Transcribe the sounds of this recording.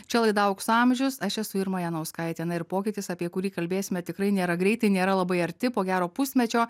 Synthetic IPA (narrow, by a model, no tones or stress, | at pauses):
t͡ʃʲɛlˠɐɪd̪ɐʊksɑmʲʒʲʊsɐʃɛsʊɪɾmɑːjɛnɐʊskɑːjɛt̪ʲɛnɐɪɾpoːkʲɪt̪ʲɪsɐpʲiɛkʊɾʲiːkɐlʲbʲeːsʲɪmʲɛt̪ʲɪkɾɐɪnʲeːɾɐɡɾʲɛɪt̪ɐɪnʲeːɾɐlˠɐbɐɪɐɾʲt̪ʲɪpoːɡʲæːɾoːpʊsʲmʲɛt͡ʃʲoː